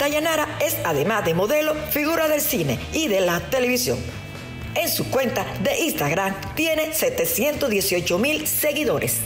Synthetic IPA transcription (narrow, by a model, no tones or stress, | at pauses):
t̪aʝanaɾae̞saðe̞mazðemo̞ðe̞lo̞fiɣuɾaðe̞lsine̞iðelat̪e̞le̞βisjo̞̰ŋ | e̞nsukwe̞nt̪aðe̞ʔist̪aɣɾam | t̪je̞ne̞se̞t̪e̞sje̞nt̪ozðje̞sio̞t͡ʃo̞milse̞ɣiðo̞ɾʔe̞̰s